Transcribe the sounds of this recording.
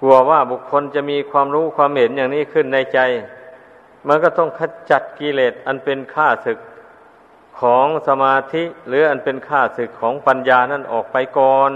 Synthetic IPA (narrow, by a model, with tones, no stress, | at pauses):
ku˧˩ɐwaː˧˩bu˨˧˩kʰːo˧˥nt͡ɕa˨˧˨miː˧kʰwaː˧mɾuː˦˥˨kʰwaː˧˥˨mhe˨˦njaː˨˩ŋniː˧˥˩kʰɯ˧˥˩nːa˧jt͡ɕa˧j | ma˧˥nkɔː˧˩t̪ɔ˥˩ŋkʰa˧˥˩t͡ɕa˨˧˩t̪̚ki˧leː˨˩t̪̚ʔa˧˨npe˧nkʰaː˧˥˩sɯ˨˩k̚ʰː | ɔː˩˦ŋsa˧maː˧t̪ʰi˧˥lɯː˨˦ʔa˧npe˧nkʰaː˧˩sɯ˨˩kʰːɔː˩˦ŋpa˧njaː˧na˧˥˩nʔɔ̰ː˨˩k̚pa˧jkɔː˨˧n